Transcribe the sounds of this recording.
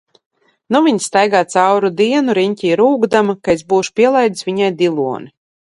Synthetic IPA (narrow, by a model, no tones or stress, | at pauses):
nuvʲiɲst̪ajɡaːt̪sawɾud̪iɛnuɾiɲʲcʲiːɾuːɡd̪amakaezbuːʃpʲiɛlˠajd̪svʲiɲajd̪ʲilˠuɔni